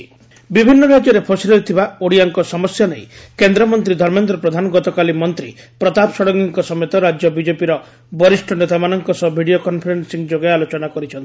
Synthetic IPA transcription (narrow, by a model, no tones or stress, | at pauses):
bibʱinːɔɾad͡ʒjɔɾepʰɔsiɾɔit̪ʰibaoɽijaŋkɔsɔmɔsjanejkend̪ɾɔmɔnt̪ɾid̪ʱɔɾmend̪ɾɔpɾɔd̪ʱanɔɡɔt̪ɔkalimɔnt̪ɾḭ | pɾɔt̪apsɔɽɔŋiŋkɔsɔmet̪ɔɾad͡ʒjɔbid͡ʒepiɾɔ | bɔɾisʈʰɔnet̪amanɔŋkɔsɔbʱiɽijokɔnpʰɔɾensiŋd͡ʒoɡajalot͡ʃɔnakɔɾit͡ʃʰɔnt̪i̥